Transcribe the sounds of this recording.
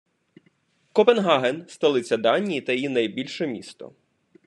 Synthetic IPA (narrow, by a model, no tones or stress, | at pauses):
kɔpenɦɑɦenst̪ɐlˠɪt͡sʲːɐd̪ɑnʲijit̪ɐjjinɐjbʲilʲʃɛmʲḭst̪ɔ̰